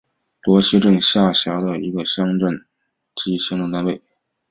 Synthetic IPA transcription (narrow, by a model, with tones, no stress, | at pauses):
t̪wɔ˧˥ɕʰi˥ʈ͡ʂə˥˧nɕja˥˩ɕjɑ˧˥d̪ə˧ḭ˧˥ɡə˧ɕjɑ˥ŋʈ͡ʂə˥˩n | t͡ɕi˥ɕjɑ˥ŋʈ͡ʂə˥˧ŋt̪a˥˧nwe˥˩ɪ